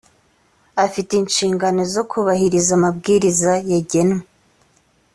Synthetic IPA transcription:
afiteinʃiːŋɡano̞zo̞kʰuβahiɾizamab̚ɡiːɾizajaɟe̞nŋe

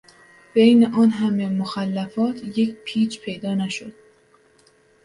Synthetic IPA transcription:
b̥ejneʔɒːnɦæmemoxælːæfɒːt̪ʰje̞cpʰiːt͡ʃpʰe̞jd̪ɒːnæʃo̰d̪̥

